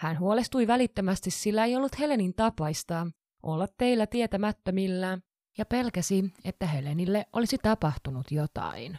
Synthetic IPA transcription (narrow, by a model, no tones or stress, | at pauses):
hænhuolest̪ujʋælit̪ːømæst̪issilːæejolːut̪he̞le̞nint̪ɑpɑist̪ɑ | ʔolːɑt̪ːe̞ilːæt̪iet̪æmæt̪ːømilːæ | jɑpe̞lkæsie̞t̪ːæɦe̞lenilːeʔʔo̞lisit̪ɑpɑht̪unut̪jot̪ɑ̰in